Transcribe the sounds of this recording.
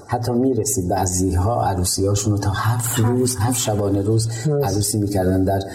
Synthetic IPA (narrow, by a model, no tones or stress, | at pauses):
hæt̪ʰːɒːmiːɾesiːd̪̚beæziːlɦɒːʔæ̰ɾuːsiːɒːʃunot̪ʰɒːhæfɾuːzhæft̪ʃæbɒːneɾuːzæzɾuːsiːmiːcʰæɾd̪ænd̪d̪æɾ